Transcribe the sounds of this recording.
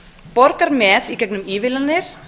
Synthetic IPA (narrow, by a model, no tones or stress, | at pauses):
pɔɾkaɾmɛːðicɛknʏmiːvɪlanːɪɾ̥